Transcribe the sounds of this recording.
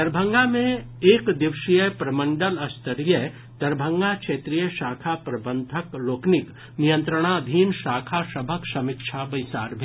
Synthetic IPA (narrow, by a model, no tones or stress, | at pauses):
ɐɾbʱə̃ŋɡamẽ | eːkd̪ɪʋʃijəpɾɐmə̃ɳɖəlɐst̪əɾijə | t̪ɐɾbʱə̃ŋɡakʃeːt̪ɾijəʃaːkʰapɾɐbə̃nd̪ʱəkloːknɪk | nijə̃nt̪ɾəɽ̃ad̪ʱiːnʃaːkʰasɐbʱəksɐmɪkʃʰabɐjsaːɾbʱe